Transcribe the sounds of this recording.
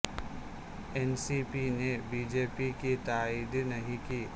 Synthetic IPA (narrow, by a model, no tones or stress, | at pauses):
ɛːnsipinebiːd͡ʒeːpikit̪aːiːd̪nɐɦĩkiː